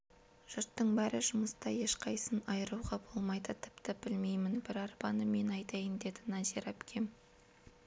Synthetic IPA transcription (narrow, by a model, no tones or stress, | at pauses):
ʒ̥ʊɾt̪ːəɴbæɾɪʒʊməst̪ɑje̞ʃqʰɑjsənɑjəɾuwʁɑbo̞lˠmɑjd̪ət̪ʰɪ̥pt̪ɪb̥ɪlme̞jmɪnbɪɾɑɾpɑnəme̞nɑjt̪ɑjənd̪e̞d̪ɪnɑziɾæpkʲʰe̞m